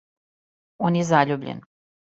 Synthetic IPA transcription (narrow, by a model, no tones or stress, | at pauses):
onjezaːʎubʎḛn